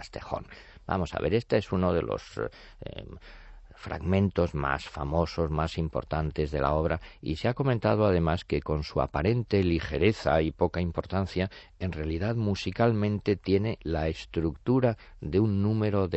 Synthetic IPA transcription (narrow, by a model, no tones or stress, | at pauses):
st̪exo̞̰n | ba̰mo̞sa̰βe̞ɾe̞st̪eesuno̞ð̞e̞̰lo̞̰s | fɾa̰ɣmẽ̞nt̪o̞zma̰sfa̰mo̞so̞zmasimpo̞̰ɾt̪ant̪e̞zðe̞̰lʔa̰o̞βɾaḭseako̞ment̪að̞oað̞e̞maske̞ko̞nsua̰paɾe̞nt̪e̞lixe̞ɾe̞θa̰ipo̞kaimpo̞ɾt̪an̟θja | e̞nrealiðaðmusikalmẽ̞nt̪e̞t̪je̞ne̞laest̪ɾukt̪uɾa | ðe̞unːũme̞ɾo̞ðe